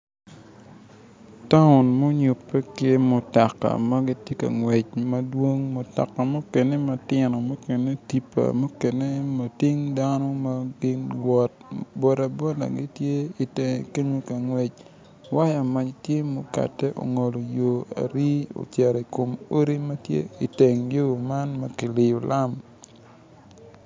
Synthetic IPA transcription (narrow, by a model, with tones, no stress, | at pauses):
ta˦ʊ˨nmo˦ɲʊ˨pːɛ˦ke˦mo˨ta˨kːa̰˨mɐ˦ɡi˦tje˦ka̰˨ŋwɛ˨t͡ʃmɐ˦dwo˦ŋmo˨ta̰˨kːa˨mo˦kɛ˨ne˦mɐ˨tɪ˨nɔ˨mo˦ke˨ne˦ti˨pːa̰˨mo˦kɛ˨ne˦ma˨ti˦ŋda˦nɔ˦ma˦ɡɪ˦ɡwɔ˨t̚bɔ˨ɾa˨bɔ˦da̰˨ɡɪ˦tje˦i˨te˨ke˦ɲo˦ka˨ŋwɛ˨t͡ʃ | wa˦ja˨ma˨t͡ʃtje˦mo˨ka̰˨tɛ˦ʔo̰˨ŋo˨lo˨jo˨a̰˨ɾi˦o̰˨t͡ʃɛ˨ɾi˨ko˨mo˦ɾi˦mɐ˦tjḛ˦i˨te˨ŋjo˦o˨ma˦nma˨kɪ˨lɪ˨jo˨lʔa˦m